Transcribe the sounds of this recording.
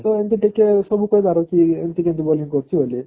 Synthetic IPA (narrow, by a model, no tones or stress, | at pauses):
t̪ɔent̪iʈikesɔbʱukɔjd̪ʱaɾokient̪ikẽnt̪ubɔliŋkɔɾt͡ɕʰiboli